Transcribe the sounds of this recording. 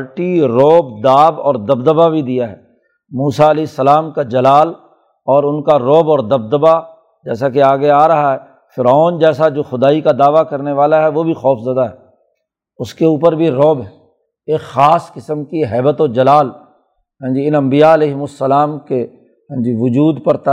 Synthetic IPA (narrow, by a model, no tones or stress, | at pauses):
ɾʈiɾoːbd̪aːbɔ̰ːɾd̪ɐbd̪əbabʱid̪ijaɦɛː | muːsaɐlɛːɪsːəlaːmkad͡ʒɐlaːl | ɔːɾʊnkaɾoːbɔːɾd̪ɐb̚d̪əba | d͡ʒɛːsakeaːɡeaːɾɐɦaɦɛ | fɪɾɔːnd͡ʒɛːsad͡ʒoːxʊd̪aːikad̪aːʋakɐɾneʋaːlaɦɛʋobʱixɔːfzəd̪aɦɛː | ʊskeuːpəɾbʱiɾoːbɦɛː | eːkxaːskɪsəmkiɦɛːbət̪od͡ʒɐlaːl | ɦɛ̃ːd͡ʒiɪnɐ̃mbijaɐlɛːɦmʊsːəlaːmke | ɦɛ̃ːd͡ʒiʋʊd͡ʒuːd̪pɐɾt̪a